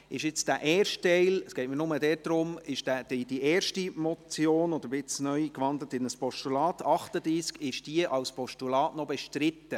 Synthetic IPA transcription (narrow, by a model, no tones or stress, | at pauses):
ɪʃɪt͡sd̥æʔɛːrʃttɛɪləsɡ̥ɛɪt̚mənʊmədɛt̚d̥̪ɾʊmɪʃd̥æd̥idiʔɛːɾʃtimɔt͡sjoːnɔd̥̪əɾbɪt͡snœjkʋɑnd̪lətɪnəspɔʃtulɑːt̪ʰɑχtəd̪ɾiːskɪʃd̥iəʔɑwspɔʃtulɑːtnɔbɛʃtɾɪt̪ːə